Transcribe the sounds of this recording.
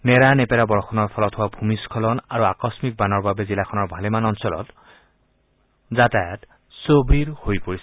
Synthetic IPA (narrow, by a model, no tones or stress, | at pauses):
nɛɹanɛpɛɹabɔɹxɔnɔɹpʰɔlɔthʊwabʱumiskʰɔlɔnaɹuakɔsmik̚banɔɹbabɛzilaxʰɔnɔɹbʱalɛmanɔnsɔlɔ̰t | zatajat | sobiɹhojpoɹis